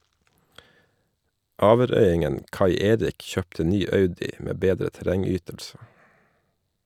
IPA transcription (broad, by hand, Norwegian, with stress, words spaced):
ˈɑːʋəˌɾœʏˌɪŋən ˈkɑɪ ˈeːɾɪk ˈçøːptə ˈnyː ˈɑʉdɪ ˈmeː ˈbeːdɾə tæˈɾɛŋˌyːtəlsə